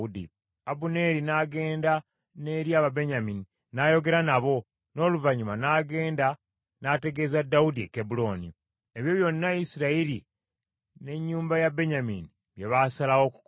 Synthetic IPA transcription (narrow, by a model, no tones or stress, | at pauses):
udḭ | abune̞ɾinaːɡe̞ːnda | ne̞ɾjaːβabe̞ɲamini | najo̞ɡe̞ɾanaβo̞ | no̞ːluvaɲumanaːɡe̞ːnda | nate̞ɡe̞zadːaudiekebulo̞ːnḭ | eβjo̞βjo̞nːaisiɾaiɾi | ne̞ɲːuːmbajabe̞ɲamini | βjeβasalawo̞ku̥k